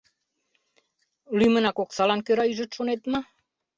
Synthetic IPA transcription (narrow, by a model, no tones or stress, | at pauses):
lyjmə̆nɑkoksɑlɑnkøɾɑyʒə̆t̪ʃonet̪mə